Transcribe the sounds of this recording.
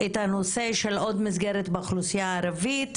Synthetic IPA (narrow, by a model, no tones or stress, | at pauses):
ʔethano̞se̞ʃe̞lo̞dmisɡeɾetbeaχlusijaːɾavit